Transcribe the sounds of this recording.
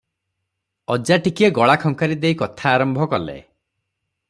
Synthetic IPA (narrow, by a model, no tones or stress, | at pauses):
ɔd͡ʒaʈikieɡɔɭakʰɔŋkaɾid̪ejkɔt̪ʰaːɾɔmbʱɔkɔlḛ